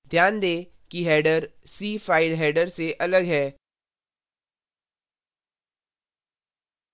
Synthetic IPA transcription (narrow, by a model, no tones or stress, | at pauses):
d̪ʱjaːnd̪eː | kiɦɛːɖəɾsiːfaːɪlɦɛːɖəɾseʔɐləɡɦɛː